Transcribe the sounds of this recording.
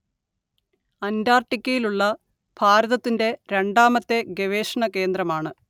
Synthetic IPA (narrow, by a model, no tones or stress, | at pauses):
ɐndaːrʈikʲːɐjiluɭːɐ | b̥ʱaːɾɐðɐt̪ːinde̞ɾeɳɖaːmɐt̪ːe̞ɡeʋeːʂɐɳɐke̞ːnd̪rɐmaːɳɨ